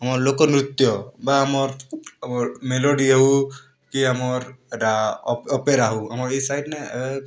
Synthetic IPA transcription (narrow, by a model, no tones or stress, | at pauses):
amɔɾlokɔnɾut̪jɔbaːmɔɾmɔmelɔɖiaɦu | kiamɔɾɛʈaɔpeɾaɦuamɔɾejsajdna